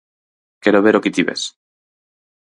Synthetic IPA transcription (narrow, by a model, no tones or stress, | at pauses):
keɾoβeɾoket̪iβḛs